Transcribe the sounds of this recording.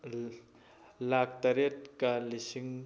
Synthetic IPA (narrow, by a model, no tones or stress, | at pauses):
lak̚t̪aɾet̚kalisiŋ